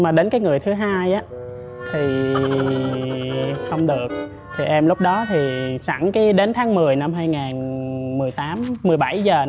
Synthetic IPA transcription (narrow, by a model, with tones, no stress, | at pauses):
maː˨˩ɗe˨˦nkaː˨˦jŋɨ˨˩əjt̪ʰɨ˨˦ɦaː˧jʔaː˨˦ | t̪ʰi˨˩ | xə˧wŋ͡mɗɨ˨˩ək̚ | t̪ʰi˨˩ʔɛ˧mlʊ˦˥k͡p̚ɗɔ˨˦t̪ʰi˨˩t͡ɕa̰˧˩ŋki˨˦ɗe˨˦nt̪ʰaː˨˦ŋmɨ˨˩əjna˧mɦaː˧jŋaː˨˩nmɨ˨˩əjt̪aː˨˦mːmɨ˨˩əjɓa˧˩jzəː˨˩